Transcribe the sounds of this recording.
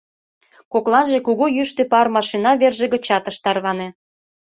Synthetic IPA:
koklɑnʒekuɣujyʃt̪epɑrmɑʃinɑβerʒeɣə̆t͡ɕɑt̪ə̆ʃt̪ɑrβɑne

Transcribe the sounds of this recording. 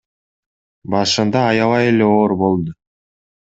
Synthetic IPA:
bɑʃɯnd̪ɑːjɑvɑje̞le̞oːɾbo̞lˠd̪ʊ

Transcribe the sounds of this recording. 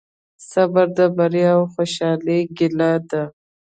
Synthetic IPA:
sabaɾd̪abaɾiawxoʃɑliɡɪlad̪a

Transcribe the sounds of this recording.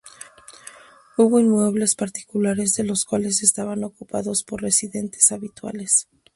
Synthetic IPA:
uβo̞inmwe̞βle̞spaɾt̪i̥kulaɾe̞zðe̞lo̞skwale̞s̬e̞st̪aβano̞kupa̰ðo̞spo̞re̞siðe̞nt̪ʰe̥saβit̪wa̰le̞s

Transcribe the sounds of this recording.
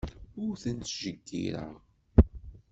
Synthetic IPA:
ʊɾθənt̪ʒəɡːḭɾa̰ʁ

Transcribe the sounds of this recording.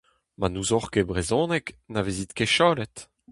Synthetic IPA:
manuzɔʁkebʁezɔ̃ːnɛknavezit̪keʃaːlɛt̪

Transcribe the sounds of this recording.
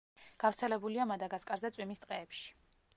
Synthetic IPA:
ɡ̥avɾt̪sʰɛlɛbuliamad̪aɡaskʼaɾzat̪sʼwimist̪ʼqʼɛːpʃi̥

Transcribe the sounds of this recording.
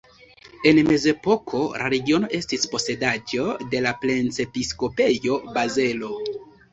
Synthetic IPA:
e̞nme̞ze̞po̞kʰo̞lʔa̰ɾe̞ɡio̞no̞ʔe̞stispo̞se̞dad͡ʒo̞de̞laple̞nt͡se̞pisko̞pe̞jo̞baze̞lo̞

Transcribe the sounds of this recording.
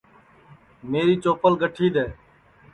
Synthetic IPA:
meːɾiːt͡ʃoːpəlɡəʈʰiːd̪eː

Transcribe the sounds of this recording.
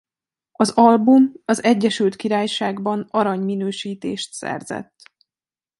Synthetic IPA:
ɒzɒlbumɒzɛɟːɛʃylt̪kiɾaːjʃaːɡbɒnɒɾɒɲminøːʃiːt̪ḛːʃt̪sɛ̰rzɛ̰t̪ː

